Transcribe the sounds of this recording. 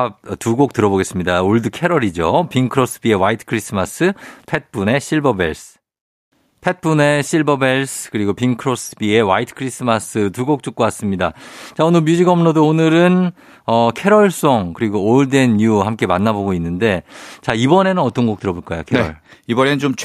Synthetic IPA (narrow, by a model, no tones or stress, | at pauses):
atuɡok̚t͈ɯɾʌboɡe̞s͈ɯmɲidaoɭdɯkʰe̞ɾʌɾid͡ʑopiŋkʰɯɾosʰɯ̥bie̞waitʰkʰɾisʰɯmas͈ʰɯpʰe̞t̚p͈une̞ɕʰiɭbʌbe̞̰ɭs | pʰe̞t̚p͈une̞ɕʰiɭbʌbe̞ɭsʰkɯɾiɡopiŋkʰɯɾosʰɯbie̞waitʰkʰɯɾisʰɯmasʰɯtuɡok̚t͡ɕ͈uk̚k͈owas͈ɯmɲidat͡ɕaonɯɭmjud͡ʑiɡʌmnodoonɯɾɯn | ʌkʰe̞ɾʌɭs͈oŋkɯɾiɡooɭdenːuhamk͈e̞manːaboɡoinːɯnde̞t͡ɕaibʌne̞nɯnʌt͈ʌnɡok̚t͈ɯɾʌboɭk͈ajo̰kʰeɾʌɭibʌnennt͡ɕomt͡ɕʰ